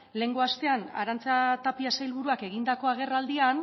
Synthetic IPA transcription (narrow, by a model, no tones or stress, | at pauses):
le̞ŋɡoast̪e̞ana̰ɾant͡sat̪apiasajlβuɾuake̞ɣind̪ako̞aɣe̞rald̪ian